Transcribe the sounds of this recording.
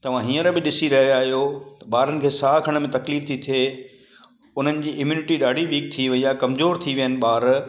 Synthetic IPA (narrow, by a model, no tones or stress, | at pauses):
t̪ɐʋ̤ãɦĩːə̃ɾabɪɗɪsiɾɐɦeaːɦijot̪ɐɓaːɾənɪ̆kʰeːsaːkʰɐɽ̃̆mẽt̪ɐkliːɾt̪ʰit̪ʰie | ʊn̤ənɪ̆d͡ʑiːʔɪmjuːnɪʈiɗaːɖʱiʋiːk̚t̪ʰiʋɐiaːkɐmzoːɾt̪ʰiʋijənɪ̆ɓaːɾ